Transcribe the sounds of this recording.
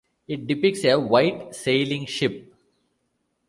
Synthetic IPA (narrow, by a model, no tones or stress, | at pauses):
ɪʈ̚ɖɪpɪk̚seʋaɪʈseːlĩŋʃɪp̚